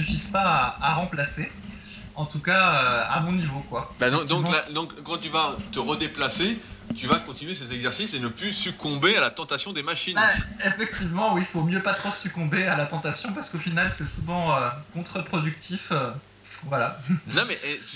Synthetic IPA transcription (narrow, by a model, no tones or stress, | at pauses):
syfizpaːʁɑ̃plase | ɑ̃t̪ukaøa̰bɔ̃nivokwabad̪ɔ̃kd̪ɔ̃mlad̪ɔ̃kkːɑ̃t̪yvat̪əʁəd̪eplaset̪yvakɔ̃t̪inɥesezɛɡzɛʁsisenəplysykɔ̃bealat̪ɑ̃t̪asjɔ̃d̪emaʃinefɛk̚t̪ivmɑ̃wifomjøpat̪χosykɔ̃bealat̪ɑ̃t̪asjɔ̃paʁsə̥kofinalsɛsuvɑ̃økɔ̃t̪χəpχɔd̪yk̚t̪ʰifø | vwalanɔ̃mɛʔɛ